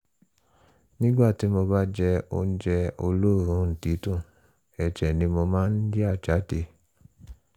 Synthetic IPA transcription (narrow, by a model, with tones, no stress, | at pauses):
nĩ˦ɡ͡ba˦˨ti˨˦mo˧ba˦d͡ʒɛ˧o̰˧n̩˦d͡ʒɛ˧o˧lo˦˨ɾ̃ũ˧˦n̩˨ti˨˦tũ˦˨ | ɛ˨t͡ʃɛ˨nĩ˧mo˧mãː˦n̩˦d͡ʒe˦a˦˨t͡ʃa˨˦te˧˦